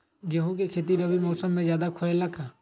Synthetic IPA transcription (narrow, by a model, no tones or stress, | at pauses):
ɡeɦũkekʰeːt̪̬iɾəbimɔːsəmːẽzjaːd̪akʰʊɾeləkʰaː